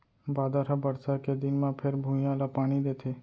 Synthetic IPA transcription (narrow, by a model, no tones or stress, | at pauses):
bad̪aɾabəɾsaked̪inmãpʰeɾbʱũjãlapaɽ̃id̪et̪ʰe